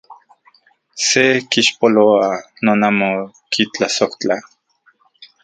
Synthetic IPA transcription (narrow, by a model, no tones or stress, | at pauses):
sekiʃpoloanoːnamo | kʰit͡ɬasoht͡ɬa